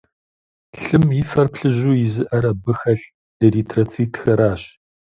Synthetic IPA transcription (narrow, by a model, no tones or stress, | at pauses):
ɬɨmjɪfɐrpɬɨʑuːjɪzɨʔɐɾɐbɨxɐʃ | riːtʰrɐt͡sʰiːtʰxɐɾaːɕ